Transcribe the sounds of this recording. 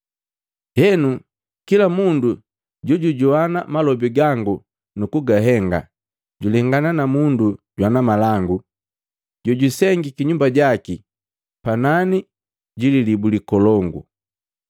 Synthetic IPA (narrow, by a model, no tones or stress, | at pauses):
hɛnu | kilamundu | ɟɔɟuɟuanamalɔbiɡaŋɡu | nukuɡaɦɛŋɡa̰ | ɟulɛŋɡananamunduɟwanamalaŋɡu | ɟɔɟusɛŋɡikiɲumbaɟaki | panani | ɟililibulikɔlɔŋɡṵ